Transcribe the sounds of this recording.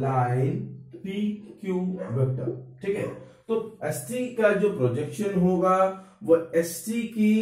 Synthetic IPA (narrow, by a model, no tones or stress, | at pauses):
laːɪnpikjuːʋɛk̚ʈə̰ʈʰiːkɛ̃t̪oɛsʈikad͡ʒoːpɾoːd͡ʒekʃənɦoːɡa | ʋoɛsʈiki